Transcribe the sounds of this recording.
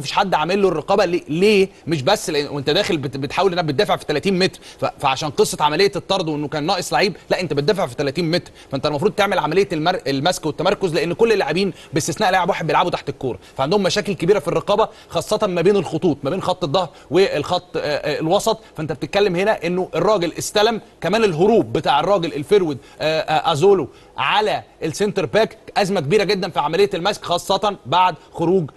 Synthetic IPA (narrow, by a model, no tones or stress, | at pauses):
æfi̥ːʃħad̪ːʕamelːoerːeqɑːbæleleːmeʃ̬bæsːleʔwʔent̪æd̪æːxelbet̪ħaːwelʔnːæhæbet̪d̪æːfeʕfi̥t̪ælæt̪iːnmet̪ɾfæfæʕaʃæːnqesˤːɑt̪ʕamælejːæet̪ːɑɾˤd̪ˤwʔenːokæːnːɑːʔesˤlaʕiːblæʔent̪æbet̪̚d̪æːfeʕfi̥t̪ælæt̪iːnmet̪ɾfæʔent̪ælmɑf̬ɾuːd̪̚t̪eʕmelʕamælejːæmæɾelmæskwet̪ːæmɑɾˤkozleʔenːkolːelːaʕebiːn | best̪esnæːʔlaːʕebwaħed̪bjelʕabut̪aħt̪ekːoːɾˤɑfæʕand̪ohomːæʃæːkelkebiːɾæfirːɑqɑːbæ | xɑːsˤːɑt̪ɑnmæbeːnelxot̪ˤuːt̪ˤmæbeːnxɑt̪ˤːed̪ˤːɑhɾˤweelxɑt̪ˤːlwɑsˤɑt̪ˤfæʔent̪æb̚et̪et̪̚kːælːemhenæʔenːoʔerˤːɑːɡelʔest̪ælæm | kæmæːnelɦoɾuːb̚ːet̪aːʕerˤːɑːɡelʔelfeɾwid̪ | ʔʔæzoːlo | ʕalæʔelsent̪eɾbæːkʔæzmækebiːɾæɡed̪ːænfiʕamælejːælmæskxɑːsˤːɑt̪ɑnbaʕd̪xoɾuːɡ